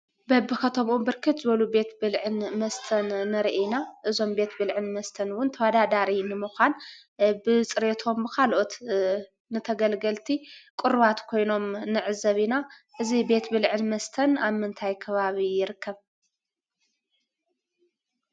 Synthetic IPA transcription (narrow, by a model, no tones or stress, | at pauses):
bɐbːɨxɐt̪ʰomʔumbɨɾkʰɨt̪zɨβɐlube̞t̪bɨlʕɨnmɐst̪ʰɐnːɨɾiʔenaʔɨzo̞mbe̞t̪bɨlʕɨnmɐst̪ʰɐnwʊnt̪ʰɐwɐd̪ad̪aɾinɨmuxʷan | bɨt͡sʼɨɾet̪ʰo̞mbɨkʰalʔo̞t̪ | nɨt̪ʰɐɡɐlɡɐlt̪ʰikʷʼʊɾβat̪kʰo̞jno̞mnɨʕɨzɐβinaʔɨzibe̞t̪bɨlʕɨnmɐst̪ʰɐnaβmɨnt̪ʰajkʰɐβaβijɪɾɨkːɐβ